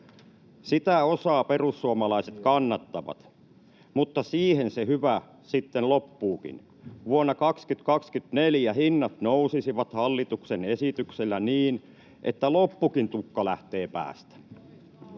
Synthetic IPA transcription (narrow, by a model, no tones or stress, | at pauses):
sit̪æosɑːperusːuomɑlɑiset̪kɑnːɑt̪ːɑʋɑ̰t̪ | mut̪ːɑsiːhensehyʋæ | sit̪ːenlopːuːkḭn | ʋuonːɑkɑkskyt̪kɑkskyt̪neljæhinːɑt̪nousisiʋɑt̪hɑlːit̪uksenesit̪ykselːæniːn | ʔet̪ːælopːukint̪ukːɑlæht̪eːpæ̰ːst̪æ̥